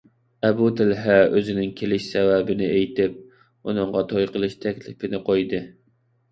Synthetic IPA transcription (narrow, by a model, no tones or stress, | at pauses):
ɛbut̪ʰɪlɦæøzɪnɪŋkʲʰelɪʃsɛwɛbɪnɪejt̪ɪp̚ | unɨŋʁɑt̪ʰojqʰəlˠɨʃt̪ʰɛkʲlɪpɪnɪqʰojd̪ɨ